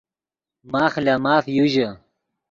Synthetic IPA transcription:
maːxlaːmaːfjuʑɐ

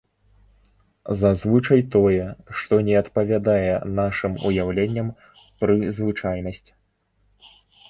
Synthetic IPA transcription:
zazvɨt͡ʂɐjt̪ɔjɛʂt̪ɔnʲɛɐt̪pɐvʲad̪ajɛnaʂɨmṵjawlʲenʲːɐm | pɾɨzvɨt͡ʂajnɐsʲt͡sʲ

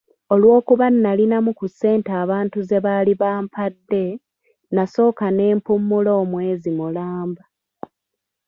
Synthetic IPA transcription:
o̞lwo̞ːkuβanːalinamukusːe̞ːntaːβaːntuze̞βaːliβaːmpadːe̞ | naso̞ːkane̞ːmpumːulo̞ːmwe̞ːzimulaːmba

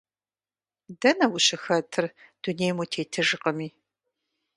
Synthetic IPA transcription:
dɐnɐwʊɕɪxɐtʰɨrd̥uneːjmutʰeːtʰɨʒɨqɐmiː

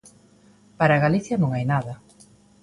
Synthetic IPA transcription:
paɾaɣaliθjɐnõŋajnaðɐ

